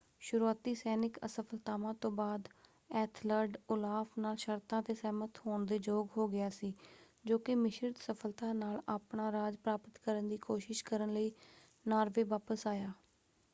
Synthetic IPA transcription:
ʃʊɾuːaːt̪iːsɛːnɪkə̰səpʰəlt̪aːʋãːt̪õːbaːd̪ | ɛːt̪ʰləɾɖʊlaːfnaːlʃəɾt̪ãːt̪eːsɛːmət̪hoːɳd̪eːd͡ʒoːɡɦoːɡɪaːsiː | d͡ʒoːkɪmɪʃəɾt̪səpʰəlt̪aːnaːlaːpɳaːɾaːd͡ʒpɾaːpət̪kəɾənd̪iːkoːʃɪʃkəɾənləiː | naːɾʋeːʋaːpəsaːjaː

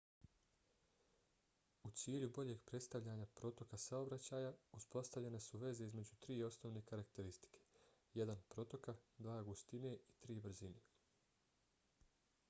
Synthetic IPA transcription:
ut̪siːʎubo̞ʎe̞ɡpɾe̞t̪st̪aʋʎaɲapɾo̞t̪o̞kasao̞bɾat͡ɕaːjauspo̞st̪aʋʎe̞ne̞suʋe̞ze̞izme̞d͡ʑut̪ɾiːo̞sno̞ʋne̞kaɾak̚t̪e̞ɾist̪i̥kʰe̥je̞d̪anpɾo̞t̪o̞kad̪ʋaːɡust̪ine̞it̪ɾiːbr̩zine

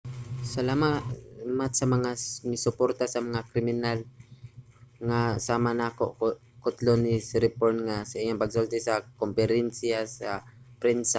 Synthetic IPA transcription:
sɐlaːmamat̪̚sɐmɐŋamɪsʊpoɾt̪asɐmɐŋakɾɪmɪnal | ŋasaːmanako̰ʔo | kʊt̪lonisɾɪpoɹnŋasɐʔiɲoŋpɐɡsolt̪ɛsɐkompɛɾɛnsjasapɾɛnsa

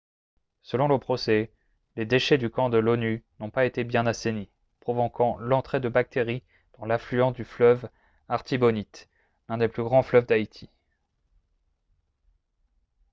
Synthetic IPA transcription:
səlɔ̃ləpχɔsɛ | led̪eʃɛd̪ykɑ̃d̪əlɔnynɔ̃paet̪ebjɛ̃nasene | pχɔvɔkʰɑ̃lɑ̃t̪χed̪əbak̚t̪ʰeʁi | d̪̥ɑ̃laflyɑ̃sd̪yflœv | aʁt̪ibɔnit̪ | lɛ̃d̪eplyɡʁɑ̃flœvd̪ait̪ʰi

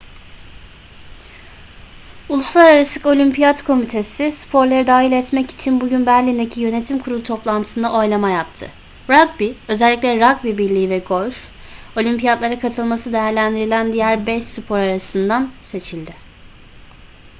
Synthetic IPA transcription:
ulˠuslˠaɾaɾasɯko̞lʲympʰijad̪kʰo̞mit̪ʰe̞sɪspʰo̞ɾlˠaɾɯd̪aːɦilʲɛt̪mɛci̥t͡ʃʰinbuɟynbæɾlʲind̪ecʰijø̞ne̞t̪ʰimkʰuɾulˠut̪ʰo̞plˠant̪ʰɯ̥sɯnd̪aʔo̞jlˠamajap̚t̪ʰɯ̰ | ɾaɡ̚biø̞zɛlʲːiclʲɛɾaɡ̚bibiɾlʲiːvɛɡo̞lʲf | o̞lʲympijad̪lˠaɾakʰat̪ʰɯlˠmasɯd̪e̞jæɾlʲænd̪iɾilʲænd̪ijæɾbɛʃsypʰo̞ɾaɾasɯnd̪anse̞t͡ʃʰilʲd̪ɪ

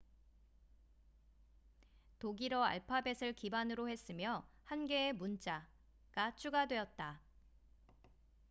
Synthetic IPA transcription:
toɡiɾʌa̰ɭpʰabe̞sʰɯɭkibanɯɾohe̞s͈ɯmjʌhanɡe̞ːmunt͡ɕ͈a | ɡ̥at͡ɕʰuɡadwe̞ʌt̚t͈a

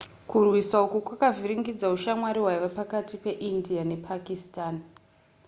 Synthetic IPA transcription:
kurwisaokukwakaviɾiŋɡid͡zauʃamwaɾiwaiʋapakatipe̞ʔindiane̞pʰakistaːn

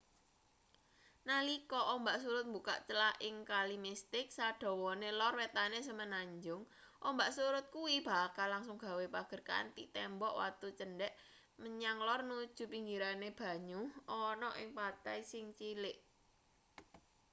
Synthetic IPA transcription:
nalikɔʔɔmbaʔsuɾʊt̪̚mbuka̰ʔt͡ʃəlaʔɪŋkalimist̪ɪk̚saɖ̥ɔ̤wɔnelɔrwet̪anesəmənaɲd͡ʒʊŋ | ʔɔmbaʔsuɾʊt̪̚kuwib̥a̤kalːaŋsʊŋɡ̥a̤wepaɡ̥ə̤rka̰a̰nt̪it̪ɛmbɔʔwa̰t̪ut͡ʃənɖɛʔ | məɲaŋlɔrnud̥ʒ̥ṳpiŋɡiɾaneb̥a̤ɲuʔɔnɔʔɪŋpat̪ajsɪŋt͡ʃilɪʔ

